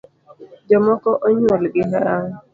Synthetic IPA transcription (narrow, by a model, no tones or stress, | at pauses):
d͡ʒɔmɔkɔʔoɲolɪɡɪɦaaŋʊ